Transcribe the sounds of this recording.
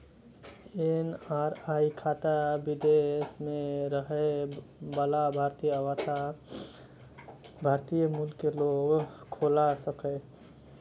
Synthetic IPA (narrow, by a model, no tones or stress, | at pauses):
enaːɾaːikʰaːt̪abɪd̪esmẽɾəɦebəlabʱaːɾt̪ijəwət̪ʰa | bʱaːɾt̪ijəmulkeloːɡkʰoːlasəke